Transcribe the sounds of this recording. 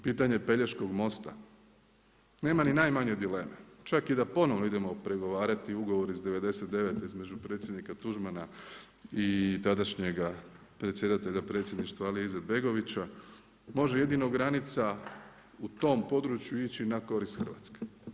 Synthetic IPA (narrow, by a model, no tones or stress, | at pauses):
piːt̪aɲe̞pe̞ʎeʃko̞ɡmo̞st̪a̰ | ne̞ːmaninajmaɲe̞d̪ile̞ːme̞t͡ʃakid̪apo̞no̞ʋnoid̪e̞mo̞pɾe̞ɡo̞ʋaːɾat̪iuɡo̞ʋo̞ɾizd̪e̞ʋe̞d̪e̞se̞t̪d̪e̞ʋe̞t̪izme̞d͡ʒupɾe̞t̪sje̞d̪nikat̪uʒmana | it̪ad̪aʃɲe̞ɡa | pɾet̪sjed̪at̪e̞ʎapɾe̞t̪sʲje̞d̪niʃt̪ʋaalijeized̪̚be̞ɡo̞ʋit͡ɕa | mo̞ʒeje̞d̪inoɡɾanit̪sa | ut̪o̞ːmpo̞d̪ɾut͡ɕjuit͡ɕinako̞ɾist̪xr̩ʋa̰ːt̪ske̥